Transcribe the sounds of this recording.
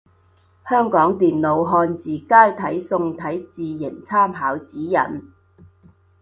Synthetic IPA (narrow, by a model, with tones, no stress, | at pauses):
hœː˥ŋkɔː˨˥ŋt̪iː˨nlo˨˧wɦɔː˧nt͡siː˨˩kaː˥jt̪ʰɐ˨˥jsʊ˧ŋt̪ʰɐ˨˥jt͡siː˨jɪ˨˩ŋt͡sʰaː˥mɦaː˨˥wt͡siː˨˥jɐ̰˨˩n